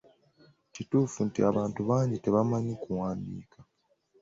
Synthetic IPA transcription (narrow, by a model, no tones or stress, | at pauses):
cituːfuntiaβaːntuβaːɲɟiteβamaɲikuwaːndḭːka